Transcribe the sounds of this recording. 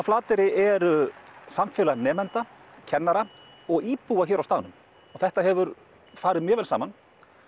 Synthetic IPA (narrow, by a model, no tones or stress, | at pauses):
flaːt̪ɪɾɪʔɛɾsamfjɛːlanɛːmɛnt̪a | cʰɛnːaɾa | ɔɣiːpuaçɛːɾawst̪aːðnʏm | ɔɣθɛht̪ahɛvʏɾ | faːɾɪðmjœːvɛlsa̰ːman